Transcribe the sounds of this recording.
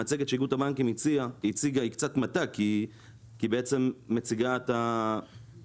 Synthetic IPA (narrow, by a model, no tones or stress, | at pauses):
at͡seɡetʃiɡutabaŋkimit͡siait͡siɡaikt͡sat̪mataki | kibeet͡se̞mːet͡siɡat̪a